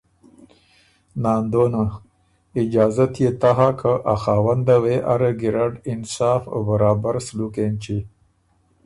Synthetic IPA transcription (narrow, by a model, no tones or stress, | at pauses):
nɑːnd̪ona | ɪd͡ʒɑːzat̪jet̪aɦakʰəʔaxaːwand̪aweʔaɾaɡiɾaɖɪnsɑːfo̰baɾɑːbaɾslukent͡ʃi